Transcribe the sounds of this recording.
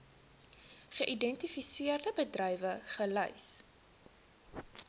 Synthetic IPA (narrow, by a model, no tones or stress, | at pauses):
χəʔidɛntifisiərdəbədrœjvəχəlœ̰js